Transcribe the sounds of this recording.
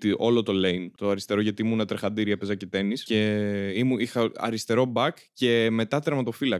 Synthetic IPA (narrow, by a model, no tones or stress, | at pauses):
t̪iʔo̞lo̞t̪o̞lejnt̪o̞ɐɾist̪e̞ɾo̞ʝɐt̪iimunɐt̪ɾexɐnd̪iɾiɐpezɐcet̪e̞nisce̞imuixɐɐ̰ɾist̪e̞ɾo̞bɐk | ce̞me̞t̪ɐt̪ɾmɐt̪o̞filɐ